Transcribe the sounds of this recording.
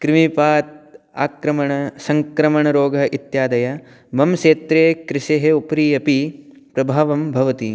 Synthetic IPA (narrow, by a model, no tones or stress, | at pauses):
kɾimipaːt̪̚ | a̰ːkɾɐmɐɳɐsɐŋkɾɐmɐɳɐɾoːɡʱɐit̪jaːd̪ɐjɐ | mɐmʃeːt̪ɾeːkɾɪʃeɦeupɾiːɐpi | pɾɐbʱaːʋɐmbʱɐʋɐt̪i